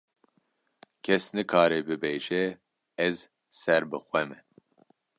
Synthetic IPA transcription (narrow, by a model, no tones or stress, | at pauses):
kʰɛsnɨkʰaːɾɛbɨbeːʒɛ | ɛz | sɛɾbɨxʷɛmɛ